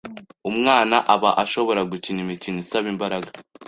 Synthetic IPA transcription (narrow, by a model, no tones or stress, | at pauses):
umŋaːnaʔaβaʔaʃo̞βo̞ɾaɡucinimicinisaβimbaɾaɡḁ